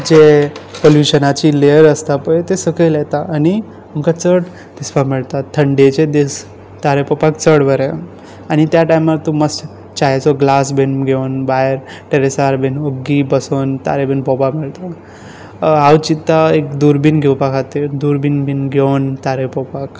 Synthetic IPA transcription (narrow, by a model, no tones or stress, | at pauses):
d͡ʑepoljuɕənat͡ɕileəɾəst̪apət̪esəkəjlɛt̪aʔani | amkat͡səɽ | d̪̥isbamiɭt̪at̪ʰːəɳɖet͡ɕed̪is | t̪aɾepɔpakt͡səɽʋəɾe | añit̪jaʈajmaɾt̪uməs | t͡ɕaɦet͡sɔɡlasbenɡʱewnbajɾ | ʈeɾesaɾbenoɡːibəsont̪a̰ɾebenbɔbamiɭt̪a | awt͡ɕit̪ːaekd̪uɾbinɡʱewpakʰat̪ed̪uɾbinbinɡʱent̪aɾepɔpak